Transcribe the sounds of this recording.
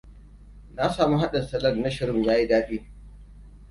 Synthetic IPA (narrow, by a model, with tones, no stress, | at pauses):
na˦saː˨mu˦ɦa˦ɗɐ˨sɐ˨lɐ˦˨mna˦ʃɪ˨ɾɪ˦mjaː˦ji˦daː˦ɗiː˦